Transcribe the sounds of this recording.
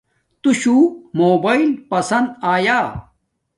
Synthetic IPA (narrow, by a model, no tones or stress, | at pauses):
t̪uɕuːmoːbailpɐsɐnd̪aːjaː